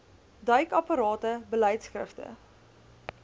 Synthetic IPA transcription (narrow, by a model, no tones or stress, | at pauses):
dœɥkɐpɑɾɑːtəbəlɛjtsxrə̰ftə̰